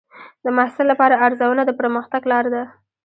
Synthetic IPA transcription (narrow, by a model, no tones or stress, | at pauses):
d̪əmahsɪlːapɑɾaaɾzawənad̪əpəɾməxt̪aɡlɑɾad̪a